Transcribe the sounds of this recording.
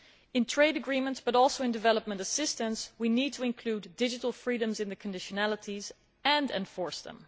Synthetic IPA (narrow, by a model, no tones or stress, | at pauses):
ɨ̃ntʰɹ̥eɪɾɨɡɹĩmə̃ntsb̥ʌɾɔlˠsoʊɨ̃ndɨvɛlˠəp̚mə̃ntəsɪstə̃nswinid̚tʰəɨ̃nkʰl̥udɪd͡ʒɨɾl̩ˠfɹiɾə̃mzɨ̃nðɨkʰɨ̃ndɪʃɨnælˠəɾiz | ɨ̃ndɛ̰̃ɱfɔɹsðə̰̃m